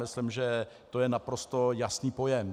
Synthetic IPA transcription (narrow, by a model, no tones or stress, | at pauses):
ɪslɪmʒɛ | t̪o̞jɛnapɾo̞st̪o̞jasniːpo̞jɛm